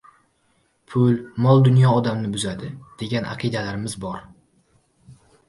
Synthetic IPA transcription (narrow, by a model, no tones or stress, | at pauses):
pʰʊlmɒlˠd̪ʊnjɒːd̪amnɪbʊzad̪ɪd̪̥e̞ɡʲanʔa̰qʰɨd̪alaɾɪmɪzbɒɾ